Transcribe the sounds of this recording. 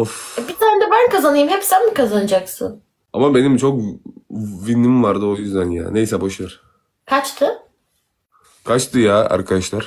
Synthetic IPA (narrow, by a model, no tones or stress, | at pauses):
ofbit̪ʰaːnɛd̪ɛbænkʰazanɯjɯmhɛpsænmikʰazanɯd͡ʒaksɯ̰n | amabe̞nimt͡ʃʰok̚ | vinimvaɾd̪ɯojyzd̪ænja̰ːnejsɛbaʃaɾ | kʰat͡ʃt̪ʰɯ | kʰat͡ʃt̪ʰɯjaːa̰ɾkʰad̪aʃlˠaɾ̥